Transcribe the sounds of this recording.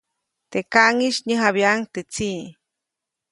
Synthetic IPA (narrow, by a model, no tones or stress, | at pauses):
t̪ekaŋiʃɲeɦaβjaŋt̪et͡si